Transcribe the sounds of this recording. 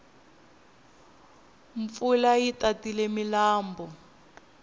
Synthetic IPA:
ɱfulajitatilemilaːmbɔ

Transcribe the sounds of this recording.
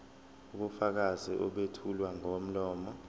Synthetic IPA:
uɓufak̬aziʔɔɓetʰulwaŋom̩lɔːmɔ

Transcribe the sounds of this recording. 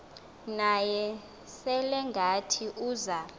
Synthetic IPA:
najɛ | sɛlɛŋɡʱatʰiʔuːza

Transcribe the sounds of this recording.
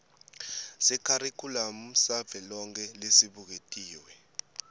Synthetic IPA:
sɛkʰaɾikʰulam̩sab̪v̥ʱɛlɔŋk̬ʰʼɛlesiɓuk̬etʼiːwɛ

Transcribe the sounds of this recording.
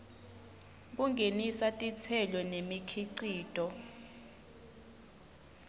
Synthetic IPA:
k̬uŋɡʱenisatʼit͡sʰɛlɔnemikʰiǀiːtʼɔ

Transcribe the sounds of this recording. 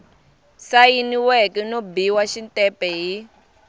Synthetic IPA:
sajiniwɛkɛnobiwaʃintʼɛpɛɦi

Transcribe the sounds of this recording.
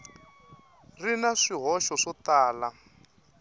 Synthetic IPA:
rinaʂiɦɔʃɔʂɔt̪aːla

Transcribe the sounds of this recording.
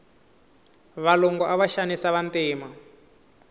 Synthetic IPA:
βalɔŋɡɔʔaβaʃanisaβantiːma

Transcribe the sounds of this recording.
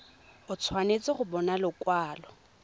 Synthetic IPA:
ʊt͡sʰwanet͡sʼɪχʊbɔnalʊkwaːlɔ

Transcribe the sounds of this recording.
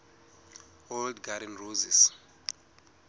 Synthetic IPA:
oldɡaɾɛnrozis

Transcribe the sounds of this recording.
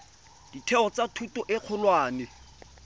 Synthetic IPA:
d̥itʰɛɔt͡satʰutɔʔɪq͡χʰʊlwaːnɪ

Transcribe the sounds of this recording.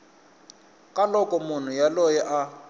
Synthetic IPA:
kʼalɔkʼɔmun̤ujalɔjɛʔa

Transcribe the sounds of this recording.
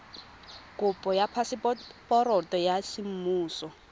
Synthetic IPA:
kʼʊpʼɔjapʰasɪpʼɔɾɔtʼɔjasim̩muːsɔ

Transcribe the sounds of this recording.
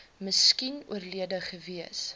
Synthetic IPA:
məskinṵərliədəχəviəs

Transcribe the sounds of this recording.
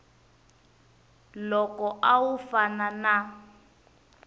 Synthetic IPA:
lɔkɔʔawufanana

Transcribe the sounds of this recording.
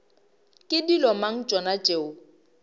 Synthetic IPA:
kʼɪdilɔmaŋ̩t͡ʃʼɔnat͡ʃʼeːʊ

